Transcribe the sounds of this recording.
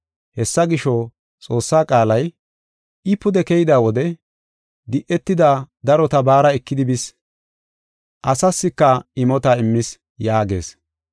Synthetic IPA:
hɛsːɐɡɪʃɔ | t͡sʼo̞ːsːaːkʼaːlɐj | ɪpʊd̪ɛkɛjɪd̪aːwɔd̪ɛ | d̪ɪʔːɛt̪ːɪd̪aːd̪ɐɾɔt̪ɐbaːɾɐɛkːɪd̪ɪbɪs | ʔɐsɐsːɪkːɐɪmɔt̪ɐɪmːɪs | jaːɡe̞̰ːs

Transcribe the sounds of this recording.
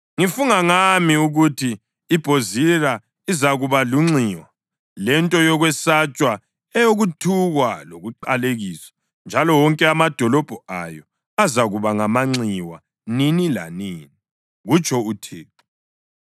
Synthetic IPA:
ŋifuŋaŋamiuɣutʰi | ib̥ʱozira | izaɣuβaluŋ͡ǀiːwa | lɛntʼɔjɔɣwɛsat͡ʃʼwa | ɛjoɣutʰuɣwaloɣuǃaleɣiːsḁ | nd͡ʒʱalɔwɔŋkʼɛamad̥ʱɔlɔb̥ʱɔa̰jɔ | azaɣuβaŋamaŋ͡ǀiwa̰ | ninila̰niːni | ɣut͡ʃʰʼɔutʰiː

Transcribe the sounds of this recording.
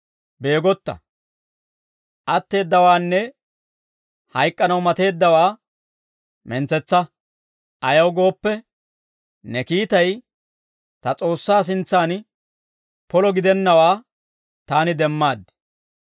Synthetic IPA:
be̞ːɡɔt̪ːɐ̰ | ʔɐt̪ːe̞ːd̪ːɐwaːnːɛ | hɐjkʼːɐnɐwmɐt̪e̞ːd̪ːɐwaː | mɛnt͡sɛt͡sːɐ | ʔɐjɐwɡo̞ːpːɛ | nɛkiːt̪ɐj | t̪ɐt͡sʼo̞ːsːaːs̬ɪnt͡sːaːn | pɔlɔɡɪd̪ɛnːɐwaː | t̪aːnɪd̪ɛmːaːd̪ːɛ̥

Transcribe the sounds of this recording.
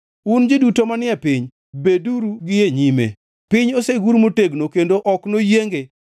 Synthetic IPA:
und͡ʒɪdutomanɪɛpɪɲ | beduɾuɡɪjeɲimḛ | pɪɲoseɡuɾmoteɡnokendoʔɔknojeŋɡe

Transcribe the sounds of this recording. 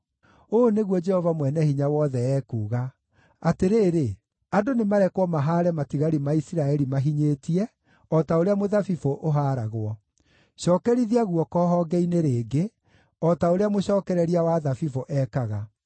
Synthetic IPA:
oneɣwɔd͡ʒɛhɔvamwɛnɛhiɲawɔðɛɛːkuːɣa | ateɾeːɾe | adonemaɾɛkwɔmaɦaːɾɛmatiɣaɾimaisiɾaɛɾimaɦiɲeːtiɛ | ɔtaoɾeamoðafifoʔoɦaːɾaɣwɔ | ɕɔːkɛɾiðiaɣuɔkɔːɦɔɡɛineɾeːɡe | ɔtaoɾeamoɕɔːkɛɾɛɾiawaðafifoʔɛkaɣa

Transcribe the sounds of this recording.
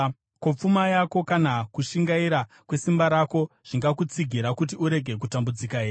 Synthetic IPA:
kop͡fumajako̞kanakuʃiŋɡaiɾa | kwe̞simbaɾako̞ʐ̥iŋɡakut͡siɡʱiɾakut̬iuɾe̞ɡʱe̞k̬utambud͡zikaeːr

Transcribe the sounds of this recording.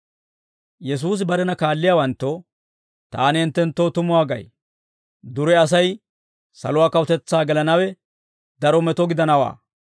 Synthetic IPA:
jɛs̬uːs̬ɪbɐɾɛnɐkaːlːɪjaːwɐnt̪ːɔ | t̪aːnɪɛnt̪ːɛnt̪ːoːt̪ʊmʊwaːɡɐ̰j | d̪ʊɾɛɐs̬ɐj | sɐ̰lʊwaːkɐwʊt̪ɛt͡sːaːɡɛlɐnɐwɛ | d̪ɐɾɔmɛt̪ɔɡɪd̪ɐnɐwa̰ː

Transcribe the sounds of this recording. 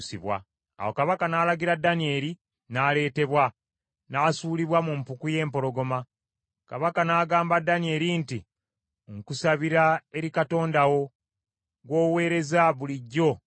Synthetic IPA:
siβwa̰ | a̰wo̞kaβakanaːlaɡiɾadːanie̞ːɾi | naːle̞ːte̞βwa | naːsuːliβwamumpukuje̞ːmpo̞ɾo̞ɡo̞ma | kaβakanaːɡaːmbadːanie̞ɾinti | ŋkusaβiɾae̞ɾikato̞ːndawo̞ | ɡwo̞ːwe̞ːɾe̞zaβuliɟːo̞

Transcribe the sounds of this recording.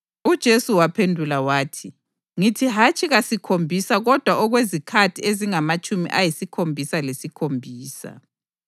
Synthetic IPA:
ud̥ʒ̥ʱesuwapʰendʱulawaːtʰi | ŋitʰiɦat͡ʃʼiɣasikʰombʱisaɣɔd̥ʱwaʔɔɣwezikʰatʰieziŋamat͡ʃʼumḭʔajisikʰombʱisalesikʰombʱiːsa̰

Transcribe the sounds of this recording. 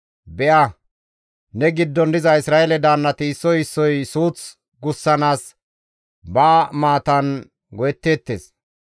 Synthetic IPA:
bɛʔɐ | nɛɡɪd̪ːɔnd̪ɪzɐɪsɾaːelɛd̪aːnːɐt̪ɪːsːɔjɪsːɔjsuːt͡s | ɡʊsːɐnaːs | baːmaːt̪ɐn | ɡɔjɛt̪ːeːt̪ːḛːs

